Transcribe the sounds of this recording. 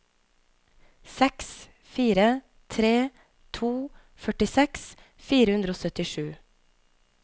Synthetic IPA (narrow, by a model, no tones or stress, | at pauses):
sɛks | fiːɾə | t̪ʰɾeː | t̪ʰuː | fœʈɪsɛks | fiːɾəhʉnd̪ɾoːsœt̪ɪʃʉː